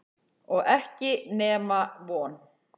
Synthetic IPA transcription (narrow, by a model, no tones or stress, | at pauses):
ɔɣɛhcɪnɛːmavɔːn